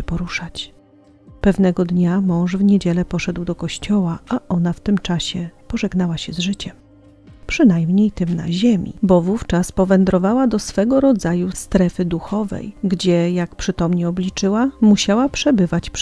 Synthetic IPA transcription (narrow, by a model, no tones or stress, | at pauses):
ɛpɔɾuʂat͡ɕ | pɛvnɛɡɔd̪ɲamɔ̃w̃ʐvɲed͡ʑɛlɛpɔʂɛd̪wd̪ɔkɔɕt͡ɕɔwaaʔɔnaft̪ɘmt͡ʂaɕɛpɔʐɛɡnawaɕɛzʐɘt͡ɕɛm | pʂɘnajmɲejt̪ɘmna̰ʑemʲḭbɔvuft͡ʂaspɔvɛnd̪ɾɔvawad̪ɔsfɛɡɔɾɔd̪zajust̪ɾɛfɘd̪uxɔvɛ̰jɡd͡ʑɛjakpʂɘt̪ɔmɲɛɔblʲit͡ʂɘwamuɕawapʂɛbɘvat͡ɕp